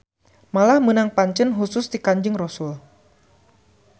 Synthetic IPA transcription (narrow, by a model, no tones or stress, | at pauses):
malahmənaŋpaɲt͡ʃənɦusʊsd̪ikaɲd͡ʒɪŋrɔsʊl